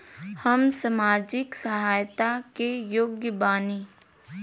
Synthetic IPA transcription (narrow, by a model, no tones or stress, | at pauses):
hɐmsɐmaːd͡ʒɪksɐɦaːjt̪akejoːɡjəbaːniː